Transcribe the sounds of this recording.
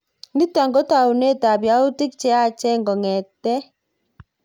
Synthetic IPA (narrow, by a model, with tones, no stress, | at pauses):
ni˦ta˨ŋɡɔ˦ta˨u˨ne˦ta˨bja˦u˦ti˦k̚t͡ʃɛ˦a˦t͡ʃɛ˦ŋɡɔ˨ŋɛ˨tɛ˦